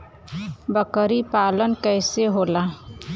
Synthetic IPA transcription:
bəkəɾipaːlənkɛːseɦoːlaː

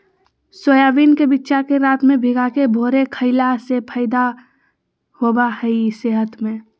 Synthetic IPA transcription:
sojaːʋiːnkebitːʃakeɾaːt̪mẽbʱɪɡakebʱoːɾekʰəɪlasepʰəɪd̪a | hoːbahɛiseːɦət̪mẽ

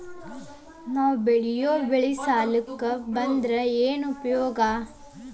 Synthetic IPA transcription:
naːʋbeɽijoːbeɭisaːlukːɐbɐnd̪ɾɐeːnupɐjɔːɡa

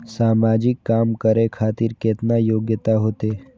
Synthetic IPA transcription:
samad͡ʒɪkːamkəɾekʰat̪iːɾkeːt̪najoɡjət̪aɦoːt̪e

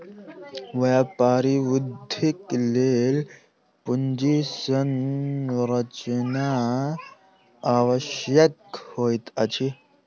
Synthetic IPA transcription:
ʋapaɾiud̪ʱiklel | pund͡ʒisən | ɾət͡ʃna | ʋəɕjəkhojt̪at͡ɕʰi

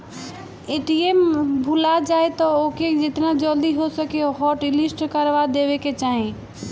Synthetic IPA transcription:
eʈiembʱulad͡ʒajt̪ɔoked͡ʒet̪nad͡ʒəld̪iɦosəkeɦɔʈilisʈkəɾʋad̪ebeket͡ʃaɦĩ

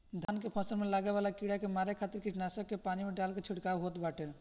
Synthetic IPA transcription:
d̪ʱankepʰɔ̃sɔɾmelaɡebalakiɽakemaɾekʰat̪iɾkid͡ʒnasɔkːepanimeɖalket͡ʃʰiɽkawɦot̪baʈʰe

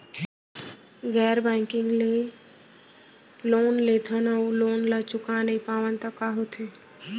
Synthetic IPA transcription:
ɡɛːɾbɛ̃ːŋkɪ̃ŋɡle | loːnleːt̪ʰənəuloːnlat͡ʃʊkanəipaːʋənt̪əkːaɦot̪ʰeː

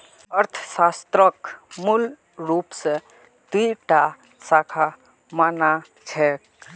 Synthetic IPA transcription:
əɾt̪ʰsast̪ɾəkmul | ɾupse | t̪iʈa | sakʰa | mana | t͡ʃʰɛ

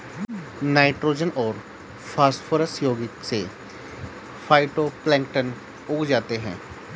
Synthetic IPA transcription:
naːɪʈɾoːd͡ʒənɔːɾ | pʰaːspʰoːɾəsjoːɡɪkse | pʰaːɪʈoːplɛ̃ːŋkʈən | ʊkʰd͡ʒaːt̪eɦɛ̰̃ː

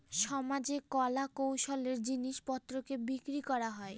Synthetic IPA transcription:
ʃɔmad͡ʑekɔlakowʃoleɾd͡ʑiniʃpɔt̪ːɾokebikɾikɔɾaɦɔe

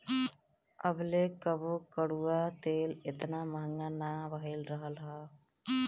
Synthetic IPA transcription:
əblekəbokəɽuat̪eːlet̪namaŋanabəɦilɾəɦəlɦa

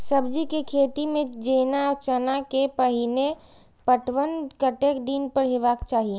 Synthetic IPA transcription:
səbd͡ʒikekʰeːt̪imẽd͡ʒeːnaɔt͡ʃənakepəɦine | pəʈwənkəʈekd̪inpəɾɦeʋaːkt͡ʃaːɦie

